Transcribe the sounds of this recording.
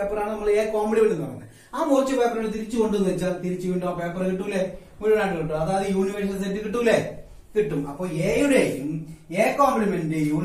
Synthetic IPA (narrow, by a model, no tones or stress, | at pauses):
eːpːɐraːɳɨnɐmːɐɭeːkoːmeɽiʋoɳɖinːɐmːɐnːɨ̰ | aːmoːrt͡ɕːɨpeːpːɐruɽet̪̬iɾit͡ɕːɨkoɳɖunːʋet͡ɕːaːlt̪iɾit͡ɕːuʋiːɳɖoːpeːpːɐrkiʈːulːe | muɾiʋɐɳaːʈːɨkiʈːumɐðaːðɨjuːniʋɐrsɐls̬etːɨkiʈ̬ːulːe | kiʈːumɐpːo̞ːɭeːjoɾejumeːkoːmplimendɨjuː